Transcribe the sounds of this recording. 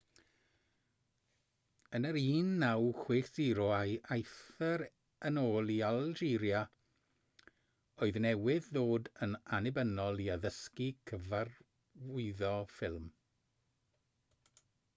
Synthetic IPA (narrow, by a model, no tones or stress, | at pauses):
ənəɾiːnːawχwɪːχd̥iɾɔajʔajθɛɾ | ənoːlˠialˠd͡ʒiːɾja | oɨðnɛwɪððoːdənanɪbənɔlˠiaðəskikʰəvar | vʊɨðɔfɪlˠm